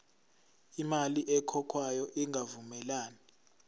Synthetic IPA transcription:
imaliʔɛkʰɔkʰwajɔʔiŋʱavumɛlaːni

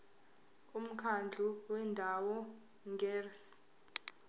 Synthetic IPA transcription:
um̩kʰand͡ɮʱuwɛndʱawɔ | ŋɡʱɛːrs

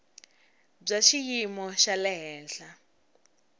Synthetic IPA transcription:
b͡ʐaʃijimɔʃalɛɦɛːɬa

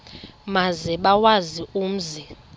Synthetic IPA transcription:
mazɛɓawazium̩zi

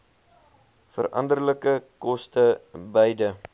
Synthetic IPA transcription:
fə̰ɾʔɐ̰ndərləkəkɔstəbəjdə

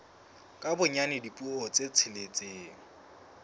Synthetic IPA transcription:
kʼabʊɲanɪdipʼuot͡sʼet͡sʰɪlet͡sʼeːŋ̩

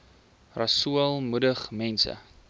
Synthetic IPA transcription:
rɐsuəlˠmudəχmɛnsə̰

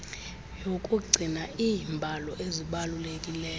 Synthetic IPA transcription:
jokʼuɡ͡ǀʱinaʔiːmbʱalɔʔeziɓalulekʼilɛː

